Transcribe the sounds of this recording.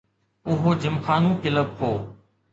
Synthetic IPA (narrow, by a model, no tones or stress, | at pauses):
ʊɦoːd͡ʑɪmxaːnũːkɪləb̚ɦoː